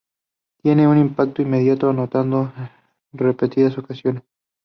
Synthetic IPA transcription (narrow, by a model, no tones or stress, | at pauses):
t̪je̞neunimpak̚t̪oimeðjat̪oanot̪and̪o | repe̞t̪iðaso̞kasjo̞nes